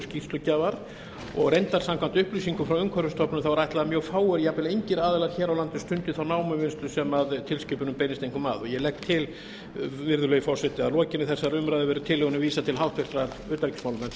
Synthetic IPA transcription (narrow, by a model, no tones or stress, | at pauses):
scir̥st̪lʏcaːvaɾ | ɔɣrejnt̪aɾ̥sãmkʰvant̪ʏhpliːsiŋkʏfɾawʏŋkʰœɾʏst̪ʰɔpnʏmθawɾajht̪laðamjœːɣfaːwʏɾijapɪlejɲcɪɾaːðɪlaɾ̥çɛːɾawlant̪ʏst̪ʏnt̪ʏθawnaːwmʏmɪnst̪lʏsɛmaðt̪ʰɪlscɪːpʏnʏmpejnɪst̪ejŋkʏma̰ːðɔɣjɛlɛkt̪ʰːɪl | vɪɾðʏlœːjʏfɔr̥sɛt̪ɪaðlɔːcɪnɪθɛsːaɾʏmɾajðʏvɛːɾʏt̪ʰɪlːɛɣʏnʏviːsat̪ʰɪlɦawht̪vɪr̥t̪ɾaɾ | ʏːt̪aɾicsmaːwlʏnan